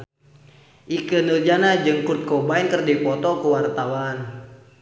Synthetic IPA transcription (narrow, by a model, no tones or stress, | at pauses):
ʔikənəld͡ʒanad͡ʒɨŋkut̪̚kɔbainkərdipɔt̪ɔkəwart̪awan